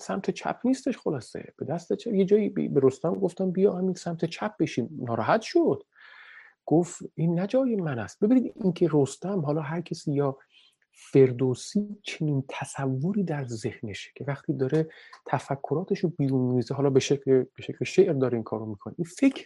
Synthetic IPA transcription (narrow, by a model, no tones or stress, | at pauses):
sæmt̪ʰe̞t͡ʃʰæ̰pʰniːst̪e̞ʃxolɒːse̞̰b̥e̞d̪æst̪et͡ʃʰæje̞d͡ʒɒːjibbeɾost̪æmɡo̞ft̪æmbijɒhæminsæmt̪ʰe̞t͡ʃʰæp̚ʰb̥eʃiːmnːɒːɾɒɦæt̪ʃod̪̥ | ɡ̥oftiːnːæd͡ʒɒːjemænæ̰st̪̚b̥ebiniːd̪incʰe̞ɾost̪æmɦɒːlɒːɦæɾcʰesiːjɒː | fe̞ɾd̪osiːt͡ʃʰe̞niːnt̪ʰæsævːoɾiːd̪æɾze̞hne̞ʃcʰe̞væxt̪ʰiːd̪ɒːɾet̪ʰæfækʰːoɾɒːt̪ʰe̞ʃobiːɾunmiːzeɦɒːlɒːbeʃecʰleb̥eʃecʰleʃeʔɾd̪ɒːɾeiːnkʰɒ̰ːɾomiːkʰoneʔinfe̞kʰɾ